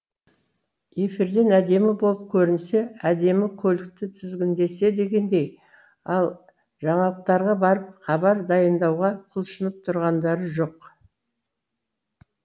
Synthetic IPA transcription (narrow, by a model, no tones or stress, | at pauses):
je̞fiɾd̪e̞næd̪e̞mɪbolˠəp̚kʲʰɵɾɪnse̞æd̪e̞mɪkʲʰɵlɪk̚t̪ɪt̪ʰɪzɡʲɪnd̪e̞se̞d̪e̞ɡʲe̞nd̪e̞j | ɑlˠ | ʒɑɴɑlˠəq̚t̪ɑɾʁɑbɑɾəp̚χɑbɑɾd̪ɑjənd̪ɑwʁɑqʰʊlˠʃənəp̚t̪ʰʊɾʁɑnd̪ɑɾəʒo̞q